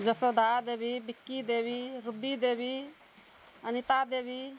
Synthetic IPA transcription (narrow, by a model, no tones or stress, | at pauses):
d͡ʒəsəd̪ʱad̪eːbʱibikːid̪eːbiɾubid̪ebi | ənit̪ad̪eːbʱi